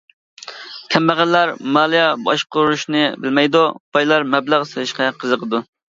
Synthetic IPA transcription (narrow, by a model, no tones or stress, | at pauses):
kʲʰɛmbæʁælːæɾmɑːlˠijɛbɑʃqʊɾɾuʃnɨbɪlmɛjd̪ub̥ɑjlˠɑɾmɛblæʁsɨlɪʃqɑqʰəzəqʰəd̪u